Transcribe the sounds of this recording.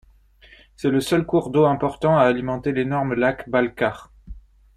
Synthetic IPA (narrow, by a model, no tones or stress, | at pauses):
sɛləsœlkuʁd̪oɛ̃pɔʁt̪ɑ̃aːlimɑ̃t̪elenɔʁmlakbalkaʁ